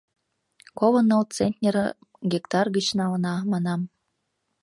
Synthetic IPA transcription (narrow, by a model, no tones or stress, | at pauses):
kolɤ̆nːolt͡senʲt̪ʲnʲer | ɡʲikt̪ɑrɡət͡ɕnɑlɤ̆nɑmɑnɑm